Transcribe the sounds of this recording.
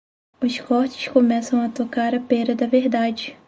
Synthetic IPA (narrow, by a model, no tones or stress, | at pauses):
ʊskɔɾt͡ʃɪ̥skõmɛsɐ̃w̃ɐt̪okaɾɐpeɾɐd̪ɐveɾd̪ad͡ʒɪ